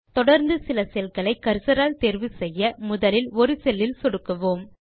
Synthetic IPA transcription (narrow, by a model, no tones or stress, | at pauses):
t̪ɔɽɐɾnd̪ɯsɪlɐsɛlkɐɭɐɪkːɐɾsɐɾaːlt̪eːɾʋɯsɛjːɐmʊðɐlɪlɔɾɯsɛlːɪlsɔɽɯkːɐʋoːm